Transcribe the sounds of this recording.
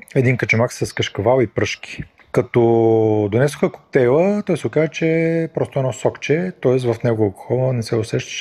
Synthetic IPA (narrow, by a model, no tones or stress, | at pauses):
ɛd̪inkɐt͡ʃɛmaksɐskəʃkɐvalˠipɾɤʃki̥ | kɐt̪ɔd̪onɛsʊxəko̥k̚t̪ɛjlˠət̪ɔjsɛʊkazət͡ʃɛpɾɔst̪ʊɛnɔsɔkt͡ʃɛt̪ɔɛs̬vɐfnɛɡʊɐlˠkʊ̥xɔlˠnənɛsɛʊsɛʃt̪ə̥ʃ